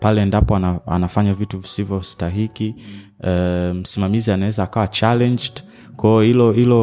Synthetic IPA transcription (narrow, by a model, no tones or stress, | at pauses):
palɛːndapɔanaa̰nafaɲavituvisivjɔstaɦiki | m̩simamizianawɛzaːkawat͡ʃalɛnd͡ʒd | kɔɔilɔhilɔ